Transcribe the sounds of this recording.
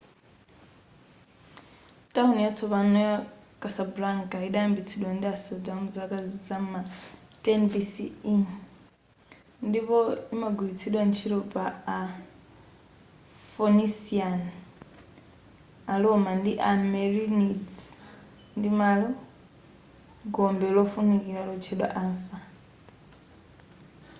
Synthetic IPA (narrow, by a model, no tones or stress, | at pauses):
tʼaunjat͡sʰɔβanɔjakʼasabɾaŋkʼaiɗaambit͡sʰiɗwandiasɔdamud͡zakʼad͡zid͡zamatʼɛnbisii | ndipɔimaɡulit͡sʰiɗwant͡ʃʰiɾɔpʼaː | fonisian | alɔmandiʔamɛɾinid͡z | ndimalɔ | ɡɔmbɛlɔfunikiɾalɔt͡ʃʰɛɗwa̰ʔaɱfa